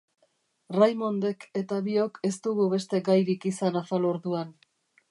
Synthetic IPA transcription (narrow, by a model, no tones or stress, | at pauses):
rajmo̞nd̪e̞kʰe̞t̪aβio̞ke̞st̪uɣuβe̞st̪e̞ɡajɾikisanafalo̞ɾðuan